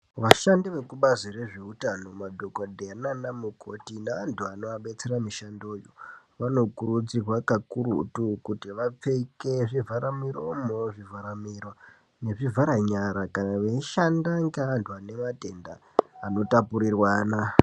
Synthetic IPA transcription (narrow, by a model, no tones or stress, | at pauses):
ʋaʃandiʋe̞kuɓazire̞ʐeutano̞madʱo̞kodʱeananamuko̞tinaːntʰuanoaɓe̞t͡se̞ramiʃandoːjo̰ | ʋano̞kurud͡zirwakakuɾṵtukutiʋap͡feke̞ʐivʱaɾamiɾomoʐivʱaɾamirwa | ne̞ʐivʱaɾaɲaɾakanaʋeiʃandaŋɡaːntʰuane̞mate̞ndaː | no̞tapuɾirwaːna